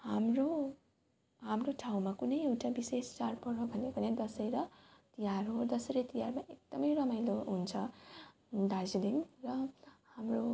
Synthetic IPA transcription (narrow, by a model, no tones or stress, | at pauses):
hamro | ɦamroʈʰaw̃makunʌjewʈabisest͡ʃarpʌɾʌbʱʌnjebʌned̪ʌsʌjɾʌt̪ijaɾɦod̪ʌsʌɾʌt̪ijarmaʔek̚d̪̥ʌmʌjrʌmajloɦunt͡sʰʌ | d̪aziliŋrʌhamro